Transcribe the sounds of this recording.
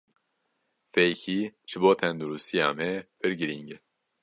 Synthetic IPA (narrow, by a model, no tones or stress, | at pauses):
fɛjkʰiːʒ̥ɨboːt̪ʰɛnd̪uɾust̪ija̰ːmɛb̥ɨɾɡɨɾiŋɡɛ